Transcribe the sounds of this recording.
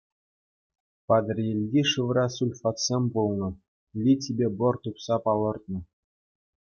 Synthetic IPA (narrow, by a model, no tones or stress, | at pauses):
pɑd̪rʲjelʲɡʲiʂɯʋɾɑsulʲfɑt̪sʲemʲbulˠnɤ̆ | lʲit̬ʲibʲebɤ̆rt̪upsɑpɑlˠɤ̆rt̪̚nɤ̆